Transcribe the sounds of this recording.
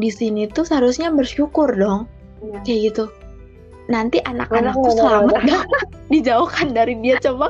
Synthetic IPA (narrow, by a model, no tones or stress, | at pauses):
disinit̪usəɦaɾusɲabərʃukʊrdɔŋ | kajaʔɡit̪u | nant̪iʔana̰k̚lanak̚t̪usəlamət̚dɔŋ | did͡ʒauhkandaɾibiat͡ʃoma